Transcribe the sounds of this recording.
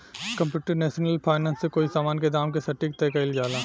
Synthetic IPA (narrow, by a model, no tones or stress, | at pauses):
kɐ̃mpjuːʈəɾnɛːʃənəlpʰaːɪnãːnsːekoːisaːmaːnked̪aːmkesɐʈːiːk̚t̪ɛːkɐɪld͡ʒaːlaː